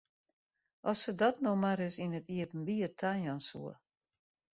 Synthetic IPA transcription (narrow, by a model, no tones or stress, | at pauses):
ʔɔsədɔtnomaɾɪsinətiəpn̩biətʰanjansṵə